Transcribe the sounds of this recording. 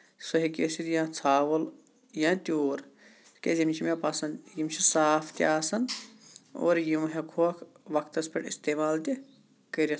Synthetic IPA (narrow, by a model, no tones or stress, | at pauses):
sɐɦikʲesiɾjãːt͡sʰaːʋɐl | jãːt̪ʲoːɾ | kezimt͡ʃʰimjɐpɐsɐnd̪jimt͡ʃʰisaːfʰt̪ʲjaːsɐn | o̰ːɾjimɦekʰokʰ | ʋɐkʰt̪ɐspʲeʈḭst̪eːmaːlt̪i | kɐɾɐ